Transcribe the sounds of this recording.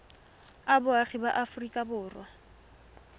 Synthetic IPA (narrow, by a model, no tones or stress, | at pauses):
abʊaχiba̰ʔafrikʼabʊːrwa